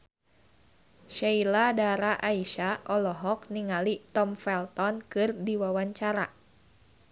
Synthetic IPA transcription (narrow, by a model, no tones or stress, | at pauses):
ʃailadaɾaʔaiʃaʔɔlɔɦɔk̚niŋalit̪ɔmfɛlt̪ɔnkɨrdiwawaɲt͡ʃaɾa